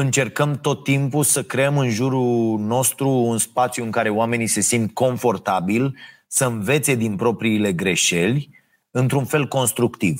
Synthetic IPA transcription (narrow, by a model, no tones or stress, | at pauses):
ɨnt͡ʃe̞rkəmt̪o̞t̪ːimpusəkɾe̞əmɨnʒuɾuno̞st̪ɾuːnspat̪sjuɨŋkaɾe̞oame̞nise̞simt̪kʰo̞nfo̞rt̪abil | səɨnve̞t̪se̞d̪inpɾo̞pɾiːle̞ɡɾe̞ʃe̞lʲ | ɨnt̪ɾunfe̞lko̞nst̪ɾukt̪iv